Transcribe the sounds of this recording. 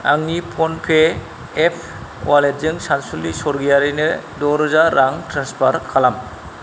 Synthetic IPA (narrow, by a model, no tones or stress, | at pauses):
aŋnipʰonpʰeː | pʰ | kaleɾzɯŋsansulisɔɾɡijaɾɯjnɯ | dɔɾzaɾʔaŋtɾanspʰaɾkʰalam